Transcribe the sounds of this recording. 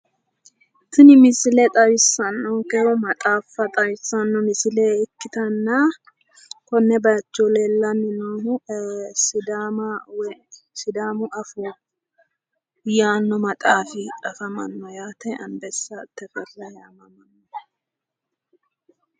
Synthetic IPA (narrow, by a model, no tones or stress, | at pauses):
t̪ʊnɪmɪsɪlɛt̪ʼɐwɪsːɐnːɔkɛhɔmɐt̪ʼaːfːɐt̪ʼɐwɪsːɐnːɔmɪsɪlɛɪkːɪt̪ɐnːɐ | kɔnːɛbɐɐt͡ʃːɔlelːɐnɪnomʊsɪd̪aːmɐw | sɪd̪aːmʊʔɐfɔ | jaːnːɔmɐt̪ʼaːfɪᶑɐfɐmɐ̰nːɔjaːt̪ɛɐnbɛsːɐt̪ːɛfɛrːɐjaːmɐmɐnːɔ